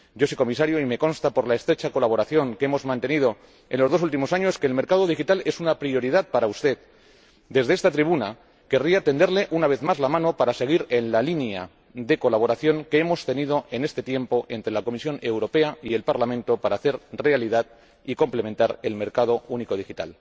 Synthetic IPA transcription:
ɟ͡ʝo̞sojko̞mis̬aɾjoime̞ko̞nst̪apo̞ɾlae̞st̪ɾet͡ʃako̞laβ̞o̞ɾaθjo̞ŋkeemo̞zmãnt̪e̞nið̞o̞ | e̞nlo̞zðos̬ult̪̬imo̞saɲo̞ske̞ːlme̞ɾkaðo̞ðixit̪ale̞sunapɾio̞ɾið̞að̚paɾaust̪e̞ð | d̪e̞zðest̪at̪ɾiβuna | ke̞riat̪e̞nd̪e̞ɾle̞ʔunaβe̞θmazlamãno̞paɾase̞ɣ̞iɾe̞nlalinja̰ | ðe̞ko̞laβ̞o̞ɾaθjo̞ŋkeemo̞st̪e̞nið̞o̞ʔe̞ne̞st̪e̞t̪je̞mpo̞ʔe̞nt̪ɾe̞lako̞misjo̞ne̞wɾo̞pe̞aie̞lpaɾlamẽnt̪o̞paɾaːθe̞ɾre̞aliðað | iko̞mple̞mẽnt̪aɾe̞lme̞ɾkað̞o̞uniko̞ð̞ixit̪a̰l

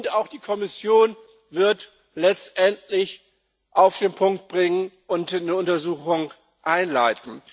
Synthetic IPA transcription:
ntaʊxd̥iːkʰɔmɪsjoːn | vɪɐt | lɛt͡stʔɛntlɪç | ʔaʊfd̥eːnpʰʊŋk̚t̚b̥ʁɪŋənʔʊntnəʊntɐzuːxʊŋ | ʔaɪnlaɪtn̩

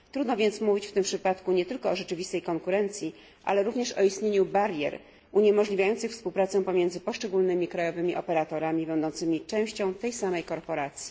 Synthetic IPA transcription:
t̪ɾud̪nɔvʲjɛnt̪smuvʲit͡ɕft̪ɘmpʂɘpat̪kuɲɛt̪ɘlkɔɔʐɛt͡ʂɘvʲist̪ɛjkɔŋkuɾɛnt̪sʲji | ʔa̰lɛɾuvɲɛʂɔ̰ist̪ɲeɲubaɾjɛ̰ɾ | uɲɛmɔʐlʲivʲajɔnt̪sɘxfspuwpɾat̪sɛpɔmʲjɛnd̪zɘpɔʂt͡ʂɛɡulnɘmʲikɾajɔvɘmʲiʔɔpɛɾat̪ɔɾamʲibɛnd̪ɔnt̪sɘmʲit͡ʂɛ̃w̃ɕt͡ɕɔ̃w̃t̪ɛjsamɛjkɔɾpɔɾat̪sʲji̥

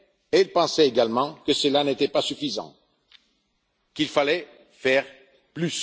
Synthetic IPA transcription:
eilpɑ̃sɛeɡalmɑ̃kəsəlanet̪ɛpasyfizɑ̰̃ | kilfalɛ | fɛʁ | plys

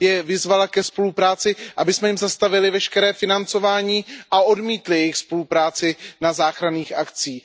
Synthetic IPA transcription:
jɛvɪzvalakɛspo̞lupɾaːt͡sɪʔabɪsmɛjɪmzast̪avɪlɪvɛʃkɛɾɛːfɪnant͡so̞vaːɲiːʔao̞dmiːt̪lɪjɛjɪxspo̞lupɾaːt͡sɪnazaːxɾaniːxʔakt͡siː

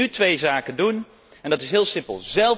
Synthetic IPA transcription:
ytʋejzaːkəndun | ɛndɑtɪsɦɪːlˠsɪmpə̰lˠzɛlˠ

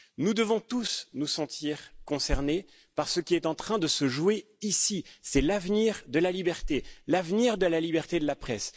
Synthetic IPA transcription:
nud̪əvɔ̃t̪usnusɑ̃t̪ʰiʁkɔ̃sɛʁne | paʁsəkʲiɛt̪ɑ̃t̪χɛ̃d̪əsəʒwe | isisɛlavniʁd̪əlalibɛʁt̪elavniʁd̪əlalibɛʁt̪ed̪əlapχɛs

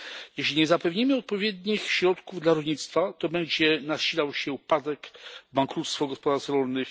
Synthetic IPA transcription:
jeɕlʲiɲɛzapɛvɲimɘɔt̪̚pɔvʲjɛd̪ɲixɕɾɔt̪kuvd̪laɾɔlɲit̪st̪fat̪ɔbɛɲd͡ʑɛnaɕilawɕɛupad̪ɛkvbaŋkɾut̪st̪fɔɡɔspɔd̪aɾsɾɔlnɘx

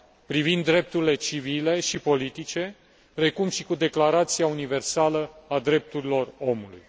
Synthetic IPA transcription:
pɾivind̪ːɾe̞p̚t̪uɾile̞t͡ʃivile̞ʃipo̞lit̪it͡ʃe̞ | ɾe̞kumʃikud̪e̞klaɾat̪siaunive̞rsaləad̪ɾe̞p̚t̪uɾilo̞ro̞mulṵj

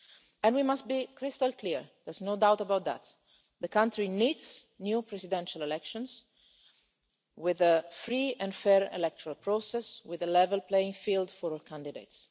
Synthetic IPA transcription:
ɛ̃ndwimast̪̚bikʰɾɪst̪alkliɹd̪ɛɹznod̪awt̪əbawt̪̚ðæ̰t̪ | ðəkãnt̪ɾinidsnjupɾɛzid̪ɛ̃nʃalelɛkʃɔ̃ns | wɪðəfɾiɛ̃nfɛɹɛ̰lɛk̚t̪ɔɾalpɾosɛswɪðəlɛvɛlplejĩŋfild̪fɔɾɔlkʰãnd̪idḛɪt̪s

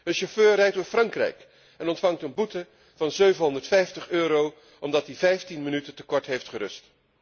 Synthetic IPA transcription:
ənʃoføːrɛjtofrɑŋkrɛ̰jk | ɛnɔntfɑŋtənbutə | v̥ɑnzøɥvənɦɔndəɹtfɛjftəχøːɾow | ʔɔmdɑtivɛjftinmənytəntəkɔɹtɦejftχəɾɵ̰st

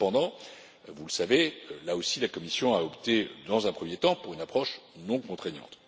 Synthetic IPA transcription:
pɑ̃d̪ɑ̃ | vuləsavelaosilakɔmisjɔ̃aɔpt̪ed̪ɑ̃zɛ̃pχəmjet̪ɑ̃puʁynapχɔʃnɔ̃kɔ̃t̪χeɲɑ̰̃t̪

